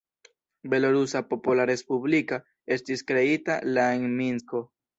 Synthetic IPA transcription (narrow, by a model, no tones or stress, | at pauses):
be̞loɾusapo̞pulaɾe̞spublika | e̞stiskɾe̞italaenminsko̞